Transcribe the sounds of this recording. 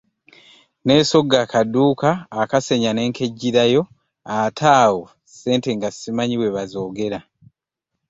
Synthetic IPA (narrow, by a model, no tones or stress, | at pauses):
ne̞ːso̞ɡːakaduːkaːkase̞ɲane̞ːŋke̞ɟːiɾajo̞ | atʰaːwo | se̞ːnte̞ŋɡasimaɲiwe̞βazo̞ːɡe̞ɾa